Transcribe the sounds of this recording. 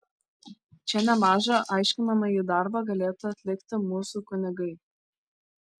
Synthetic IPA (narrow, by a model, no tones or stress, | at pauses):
t͡ʃʲɛnʲɛmɑːʒɐʔɑɪʃʲkʲɪnɐmɐjid̪ɑɾbɑɡɐlʲeːt̪ʊɐt̪ʲlʲɪkt̪ʲɪmuːsukʊnʲɪɡɐɪ